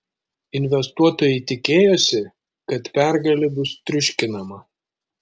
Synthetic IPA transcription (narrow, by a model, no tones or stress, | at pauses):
ɪnʲʋʲɛst̪uɔt̪oːjɛɪt̪ʲɪkʲeːjosʲɪ | kɐt̪pʲæˑɾɡɐlʲibʊst̪ʲɾʲʊʃʲkʲɪnɐmɐ